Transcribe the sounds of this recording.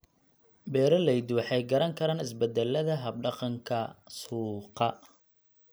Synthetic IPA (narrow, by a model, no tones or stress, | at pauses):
bɛːɾɔlɛjd̪wɑħɑjɡɐɾɐŋkʰɐɾaːnɪs̬bɛd̪ɛlːɐðɐɦɐb̚ɖɑqɑŋkʰɐsuːqɑ